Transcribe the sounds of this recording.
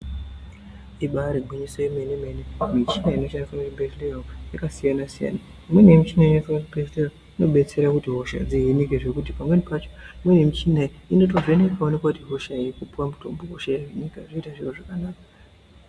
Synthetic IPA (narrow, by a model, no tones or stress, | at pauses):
iɓaɾiɡʱwiɲisojimenemenimit͡ʃinaino̞ʃandifamirebezlejaojakasijanasija̰na | mwenemit͡ʃinaijefatpestero | ino̞ɓe̞t͡se̞ɾakutiɦo̞ʃa̰d͡ziɦinikeʐe̞kutipamwe̞nipat͡ʃo̥mwenemit͡ʃinaiino̞t̬o̞veneikaonekwakutiɦo̞ʃaikupuwamutʰo̞mboɦoʃajeeɲikaʐoitaʐiroʐakanaːkḁ